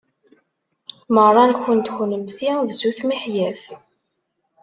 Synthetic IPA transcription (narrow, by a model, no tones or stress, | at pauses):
mərˤːɑnçənt̪çʊnəmθiðzuθmiħjæf